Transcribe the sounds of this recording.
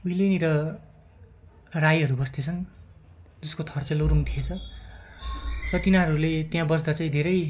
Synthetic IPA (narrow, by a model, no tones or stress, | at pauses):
uileniɾʌ | rajɦʌɾubʌst̪et͡sʰʌn | d͡zʌskot̪ʰʌrt͡sʌloɾumt̪ʰiet͡sʰʌ | rʌt̪inaɦʌɾulet̪jãbʌsʰd̪at͡saĩd̪ʱeɾʌj